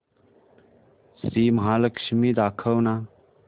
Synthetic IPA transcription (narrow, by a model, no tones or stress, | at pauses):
siːmɐɦaːlɐkʃmiːd̪aːkʰɐwna